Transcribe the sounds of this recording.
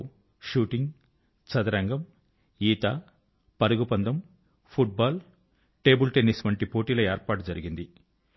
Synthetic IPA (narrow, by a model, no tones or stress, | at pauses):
ʃuːʈiŋɡ | t͡ʃɐd̪ɐɾɐŋɡɐm | iːt̪ɐ | pɐɾɐɡupɐnd̪ɐm | pʰuʈ̚baːl | ʈe̞ːbulʈeniːsʋɐɳʈipo̞ːʈiːlɐeːɾpaːʈd͡ʒɐɾiɡind̪i